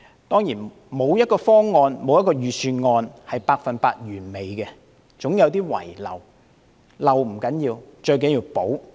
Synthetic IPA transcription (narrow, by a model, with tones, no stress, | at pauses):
t̪ɔː˥ŋjiː˨˩n | mo˨˧wjɐ˥t̚kɔː˧fɔː˥ŋːɔː˧nmo˨˧wjɐ˥t̚k̬ɔː˧jyː˨syː˧nŋɔː˧nhɐ˨jpaː˧k̚fɐ˨npaː˧t̚jyː˨˩nme˨jkɛ˧ | t͡sʊ˨˥ŋjɐ˨˧wt̪iː˥wɐ̰˨˩jlɐ̰˨˩w | lɐ˨˩wm̩˨˩kɐ˨˥njiː˧wt͡ʃɵ˧ɥkɐ˨˥jiː˧wpo˨˥w